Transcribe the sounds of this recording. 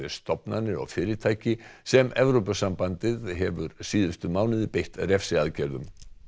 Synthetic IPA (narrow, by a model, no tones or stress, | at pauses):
ðɪ̥st̪ɔpnanɪɔ̰ɣfɪːɾɪɾt̪ʰaːjcɪsɛmɛvɾowpasampant̪ɪðɦɛvʏɾsiːðʏst̪ʏmaːwnɪðɪpejht̪aðɾɛfsɪaðcɛɾðʏ̰m